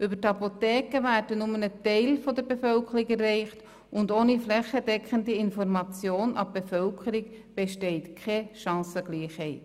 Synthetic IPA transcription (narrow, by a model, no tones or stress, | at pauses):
ʔʏbətɑpotɛːkəʋæːɾdənʊmənətɛɪlfɔdəɾbefœlkʰəɾɪkɛrːɛɪχt | ʊndoːniflɛχədɛkʰχəndiɪnfɔɾmɑt͡sjoːnʔɑ̰bb̥efœlkʰəɾik | b̥ɛʃtɛɪtkʰɛʃɑ̃ːsəɡ̥liːχhɛɪt